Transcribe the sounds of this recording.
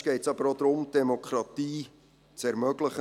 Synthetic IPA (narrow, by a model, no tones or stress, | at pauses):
ɡ̥ɛɪtsɑb̥əɾod̪ɾʊmd̥ɛmokʰɾɑt̪iː | t͡sɛɾmœɡləχə